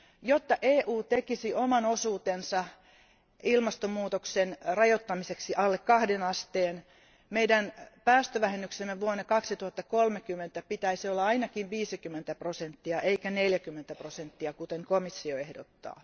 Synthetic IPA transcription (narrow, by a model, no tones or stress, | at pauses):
jot̪ːɑʔeːʔuːt̪ekisiʔomɑnosuːt̪ensɑ | ilmɑst̪omːuːt̪oksenrɑjot̪ːɑmiseksiʔɑlːekkɑhdenɑst̪eːn | meidænpæːst̪øʋæhenːyksemːeʋuonːekɑksit̪uhɑt̪ːɑkolmekymːent̪æpit̪æisiolːɑɑinɑkiʋʋiːsikymːent̪æprosent̪ːiɑʔeikæneljækymːent̪æprosent̪ːiɑkut̪eŋkomisːioehdot̪ːɑ̰ː